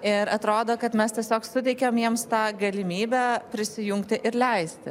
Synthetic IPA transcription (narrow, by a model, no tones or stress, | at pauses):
ɪɾɐt̪ɾoːd̪oːkɐt̪mʲɛst̪ʲiɛsʲoːksʊt̪ʲɛɪkʲɛmjiɛmst̪ɑːɡɐlʲɪmʲiːbʲæːpʲɾʲɪsʲɪjʊŋkt̪ʲɪʔɪɾlʲɛɪsʲt̪ʲɪ